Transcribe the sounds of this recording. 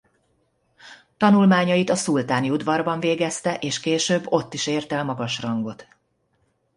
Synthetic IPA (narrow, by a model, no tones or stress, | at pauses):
t̪ɒnulmaːɲɒjit̪ɒsult̪aːniud̪vɒrbɒɱveːɡɛst̪ɛʔeːʃkeːʃøːbːo̞t̪ːiʃeːrt̪ɛlmɒɡɒʃrɒŋɡo̞t̪